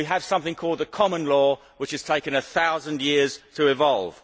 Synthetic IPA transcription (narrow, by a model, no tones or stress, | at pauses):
iəv̥sʌ̃mθɪ̃ŋkʰɔːlˠd̪̚ðəkʰɒmə̃nlɔː | wɪt͡ʃɨz̥tʰeɪkɨ̃nəθaʊzə̃ndjɪəz̥tʰəɪvɒlˠv̥